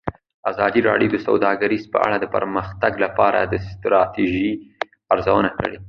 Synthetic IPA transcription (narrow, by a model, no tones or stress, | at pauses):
azɑd̪iɾɑ̰ɽjod̪əsawd̪ɑɡaɾizpə̰a̰ɽad̪əpə̰ɾməxt̪aɡlapɑɾa̰d̪əst̪ɾɑt̪iʒi | aɾzawənakə̰ɽe